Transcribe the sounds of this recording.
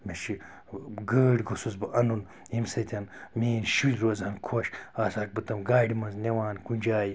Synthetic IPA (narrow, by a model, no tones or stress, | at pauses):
meʃi | ɡəːɖɡosusbɨʔɐnun | imsɐt̪ʰʲɐnmiːnʃulʲɾozhɐnkʰoʃaːsaːk̚bɨt̪ɐmɡaːɖimɐnznewaːnkund͡ʒaːji